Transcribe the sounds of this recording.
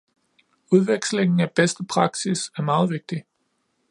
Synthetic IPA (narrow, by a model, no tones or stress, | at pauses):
uð̞ˠʋeɡ̥sle̝ŋn̩æb̥esd̥əpʰʁɑ̈ɡ̥sisæɐmɑ̈ːð̞̩ˠʋe̝ɡ̥̚d̥i